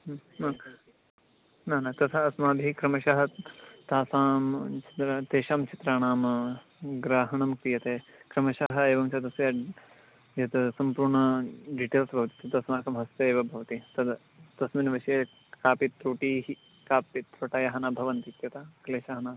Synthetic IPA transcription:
mɐ | naːnat̪ɐt̪ʰɐːsmaːb̪ʱiɦikɾɐmɐʃɐɦɐt̪aːsaːmt͡ʃi̥t̪ɾat̪eːʃaːmt͡ʃit̪ɾaːɳaːmɐ | ɡɾaːɦɐɳɐmkɾijɐt̪eːkɾɐmɐʃɐɦɐ̆eːʋɐmt͡ʃɐd̪ɐsjɐ | jɐt̪ɐsɐmpuːɾɳɐɖiʈeːlsbʱɐʋɐt̪i̥t̪ɐd̪ɐsmaːkɐmɦɐst̪eeːʋɐbʱɐʋɐt̪it̪ɐd̪ | t̪ɐsmɐnʋɐʃeː | kaːpit̪ːɾuːʈiːɦi | kaːpit̪ːɾoʈaːjɐɦɐnaːbʱɐʋɐnt̪it̪jɐt̪ʰaːkɐleːʃaːɦɐnaːs

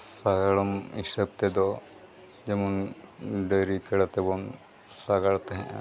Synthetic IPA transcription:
saɡaɽɔmisəb̚t̪ɛd̪ɔ | d͡ʒɛmɔnɖəɾikɛɽat̪ɛbɔn | saɡaɭt̪ɛɦɛ̃ʔ

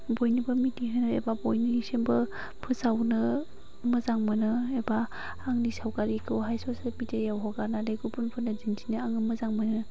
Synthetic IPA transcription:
bojnibɐmitiɦɯnɯḛbabojnɯisembɯ | pʰɯsawnɯ | mɯzaŋmɯnɯebaː | ŋnisawkaɾikʰɯwɦajsɔsemitʰejawɦɔɡaɾnaleɡupunpʰɯnazinsʰinɯaŋɯmɯzaŋmɯnɯ

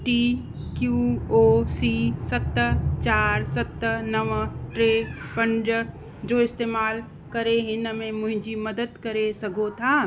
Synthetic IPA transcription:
ʈiː | kjuːoːsisɐt̪ət͡ʃaːɾsɐt̪nəʋʈɾeːpə̃nd͡ʒ | d͡ʒoːɪst̪eːmaːl | kɐɾeɦɪ̃nəmẽmʊ̃ɦɪ̃d͡ʒimɐd̪əd̪kɐɾesɐɡot̪ʰaː

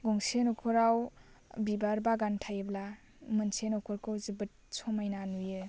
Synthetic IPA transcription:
ɡɔŋsenɔkʰɔɾawbibaɾbaɡantʰajɯbla | mɯnsenɔkʰɔɾkɯwzɯbɯt̚sʰɔmajnanujɯ

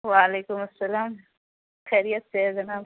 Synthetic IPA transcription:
walekʊmasalaːm | xajɾijat̪̚sezana

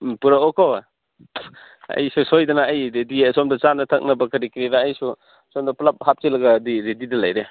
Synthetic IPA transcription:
puɾaɔkɔ | ɐ̰jsusojdɐnaːjɾedisɔmdɐt͡ʃanɐtʰɐk̚nɐbɐkɐɾikɾiɾaːjsu | sɔmdɐplap̚hap̚t͡ʃilɐɡɐːdiɾedidɐlajɾe

